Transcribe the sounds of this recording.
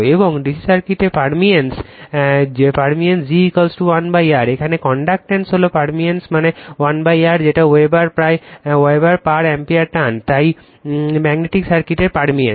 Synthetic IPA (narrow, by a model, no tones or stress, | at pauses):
eboŋɖisisaɾkiʈeɾpaɾmiens | paɾmiensd͡ʑikɔlsʈuwanbajaɾekʰanekɔɳɖak̚ʈensɦolopaɾmiensmanewanbajaɾd͡ʑeʈaoebaɾpɾaeeebaɾpaɾɛmpiaɾʈ̪ant̪aj | mɛɡneʈiksaɾkiʈeɾpaɾmien